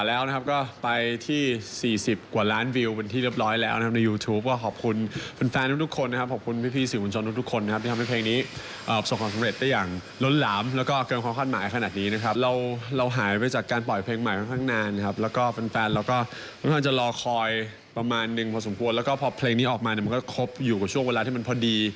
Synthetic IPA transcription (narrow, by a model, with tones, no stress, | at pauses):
a˨˩lɛː˦˥wna˦˥kʰa˦˥p̚kɔː˥˩pa˧jt̪ʰiː˥˩siː˨˩si˨˩p̚kwaː˨˩laː˦˥nwi˧wpe˧nt̪ʰiː˥˩li˥˩əp̚ɾɔː˦˥jlɛː˦˥wna˦kʰa˦˥na˧jːuː˧t̪ʰuː˦˥p̚kɔː˥˩kʰɔː˨˩p̚kʰu˧nfa˧nfɛː˧nt̪ʰu˦˥kt̪ʰu˥kʰo˧nːa˥kʰa˦˥p̚k̚ʰːkʰu˧npʰiː˥˩pʰiː˧˩siː˨˩mu˧nt͡ɕʰo˧nʰu˥kt̪u˥kʰːo˧nːa˥kʰp̪̚iː˥˩a˧m˦˥˩pʰleː˧ŋniː˦˥ | ʔəː˨˩so˨˩ŋkʰaː˧msa˨˦mɾe˨˩t̪̚da˥˩jːaː˨˩ŋ | lo˦˥nlaː˩˦mlɛː˦˥wkɔː˥˩kɤː˧nkʰaː˧mkʰaː˥˩t̪̚maː˩˦jkʰa˧aː˨˩t̪̚niː˦˥na˦˥kʰa˦˥p̚ɾa˧wɾa˧wɦaː˩˦jpa˧jt͡ɕaː˨˩kːaː˧npɔ˨˩jpʰeː˧ŋma˨˩jkʰa˧ŋkʰaː˥˩ŋnaː˧n˧kʰa˦˥p̚lɛː˦˥wkɔː˥˩fa˧nfɛː˧nlaː˦˥wkɔː˥˩ | u˥˩tʰaː˥˩t͡ɕa˨˩lɔː˧kʰɔː˧j | pɾa˧maː˧nːɯ˨˩ŋpʰɔː˧so˩˦mkʰu˧əlɛ˦˥wkɔː˥˩pʰɔː˧pʰleː˧ŋniː˦˥ʔɔː˨˩k̚maː˧ni˧˩ma˧nkɔː˥˩kʰo˦˥p̚juː˨˩kaː˨˩t͡ɕʰu˥˩əŋweː˧laː˧iː˥˩ma˧npʰɔː˧˦diː˧